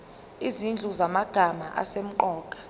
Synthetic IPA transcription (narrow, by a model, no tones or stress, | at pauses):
izind͡ɮʱuzamaɡ̥ʱamaʔa̰sem̩ǃɔːkʼḁ